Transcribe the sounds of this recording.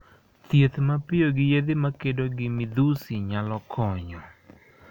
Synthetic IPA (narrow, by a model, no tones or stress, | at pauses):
t̪jet̪mapɪoɡɪjed̪ɪmakedoɡɪmɪd̪usiɲalɔkʰɔɲɔ